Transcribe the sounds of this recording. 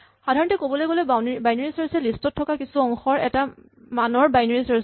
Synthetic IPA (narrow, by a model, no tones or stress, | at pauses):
xadʱaɹɔntɛkobɔlojɡolɛanbajnaɹisɔɹisɛlistʰɔtʰːɔkakisuɔŋxɔɹɛ̰ta | manɔɹbajnaɹisɔɹs